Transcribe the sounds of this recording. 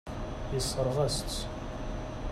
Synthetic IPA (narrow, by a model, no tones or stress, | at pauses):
jəsˤːəɾˤʁæsə̥s